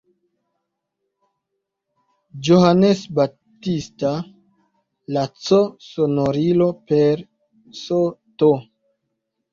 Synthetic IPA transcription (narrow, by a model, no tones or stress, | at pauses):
d͡ʒoɦanesba | tista | lat͡sosonoɾilo̞peɾ | soto